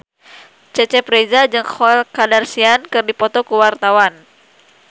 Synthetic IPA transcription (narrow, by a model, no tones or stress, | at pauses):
t͡ʃɛt͡ʃɛpɾezad͡ʒɨŋxɔɛlkadarsiankɨrdipɔt̪ɔkuwart̪awan